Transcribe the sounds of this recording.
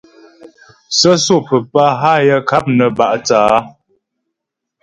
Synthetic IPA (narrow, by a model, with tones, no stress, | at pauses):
sə˦so˦˨pə˨pa˦ɦa˦jə˦ka˦p̚nə˨ba˨ʔt͡saː˨˦